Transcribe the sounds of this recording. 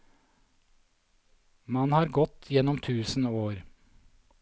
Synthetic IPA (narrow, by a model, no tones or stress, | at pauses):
mɑnhɑːɾɡɔt̪ʰjɛnɔmt̪ʰʉːsn̩oːɾ